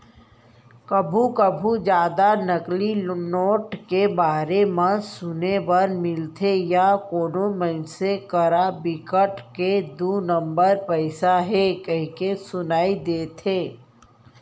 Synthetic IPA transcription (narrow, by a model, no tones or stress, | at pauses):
kɐbʱukəbʱud͡ʒjaːd̪anɐklinoːʈkebaːɾemãsʊnebɐɾmɪlt̪ʰejakoːnoməɪnsekəɾabɪkəʈked̪uːnə̃mbəɾpɛɪsaɦɛkɐɦikesʊnaːid̪eːt̪ʰẽː